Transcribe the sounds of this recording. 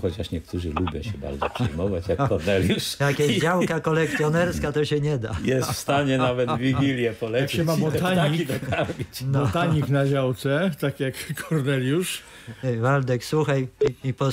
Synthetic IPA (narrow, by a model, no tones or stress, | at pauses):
xɔt͡ɕaʂɲɛkt̪uʐɘ̰lubʲjɔ̰̃ɕɛba̰ɾzɔ̰pʂɛjmɔvat͡ɕjakːɔɾnɛlʲjuʂjakjɛzd͡ʑawkakɔlɛk̚t̪ʲjɔnɛɾskat̪ɔɕɛɲɛd̪a̰jɛst̪fst̪aɲɛnavɛd̪vʲiɡʲilʲjɛpɔlɛakɕɛmamɔt̪aɲikid̪ɔkaɾmʲit͡ɕnɔt̪aɲiknaʑawt̪sɛt̪akʲjakːʰɔɾnɛlʲjuʂ | vald̪ɛkswuxajipɔ